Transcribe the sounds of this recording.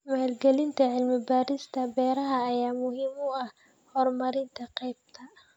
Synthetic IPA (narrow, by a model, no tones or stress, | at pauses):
maːlɡɛlɪnt̪ʰɐʕɪlmɪbaːɾɪst̪ʰɐbɛːɾɐɦɐːjaːmʊɦiːmʊɐh | hɔrmɐɾɪnt̪ʰɐqɛjb̚t̪ʰɐ